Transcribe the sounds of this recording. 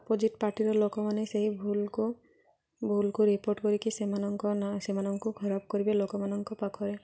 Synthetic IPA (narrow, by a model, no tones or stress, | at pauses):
pod͡ʒiʈpaɾʈiɾɔlokɔmaneseɦibʱulku | bʱulkuɾipoɾʈkɔɾikisemanɔŋkɔnasemanɔŋkukʰɔɾab̚kɔɾibelokɔmanɔŋkɔpakʰɔɾe